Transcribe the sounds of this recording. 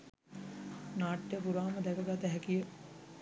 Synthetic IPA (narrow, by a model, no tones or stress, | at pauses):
naːʈːjəpuɾaːməd̪ɛkəɡat̪əɦɛkijə